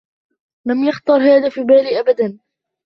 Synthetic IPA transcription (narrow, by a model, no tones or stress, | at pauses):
lamjaxt̪ɑɾˤhaːðaːfiːbaːliːʔabad̪an